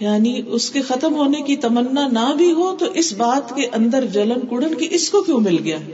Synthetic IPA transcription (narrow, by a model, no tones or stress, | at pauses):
jaːniʊskexɐt̪əmɦoːnekit̪ɐmənːanabʱiɦot̪oʔɪsbaːt̪keʔɐ̃nd̪əɾd͡ʒɐlənkʊɽənkiʔɪskokjõːmɪlɡɐjaː